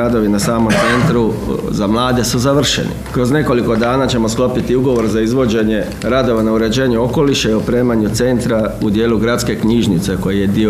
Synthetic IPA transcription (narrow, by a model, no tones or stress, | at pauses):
ad̪o̞ʋinasaːmo̞mt̪se̞nt̪ɾuzamlˠaːd̪e̞suzaʋr̩ʃḛnḭkɾo̞zne̞ko̞liko̞d̪aːnat͡ɕe̞mo̞sklˠo̞pit̪iuɡo̞ʋo̞ɾzaizʋo̞d͡ʑe̞ɲe̞ | ɾad̪o̞ʋanauɾe̞d͡ʑe̞ːɲuo̞ko̞liʃeiopɾe̞ːmaɲut̪se̞nt̪ɾaud̪je̞ːluɡɾat̪ske̞kɲiʒnit̪se̞ko̞jijed̪io